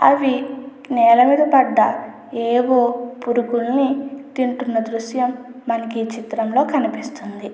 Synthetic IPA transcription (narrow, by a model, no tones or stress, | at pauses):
ɐ̰ʋi | nɛːlɐmiːd̪ɐbɐɖːɐ | eːwoːpuɾuɡulnit̪iɳʈunːɐd̪ɾuʃjɐmːɐnɐkit͡ʃit̪ɾɐmlo̞ːkɐnipist̪und̪i